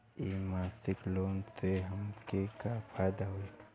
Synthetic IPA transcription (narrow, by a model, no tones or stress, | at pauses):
imaːsɪkloːnteɦɐmkekafʰaːjd̪aɦoi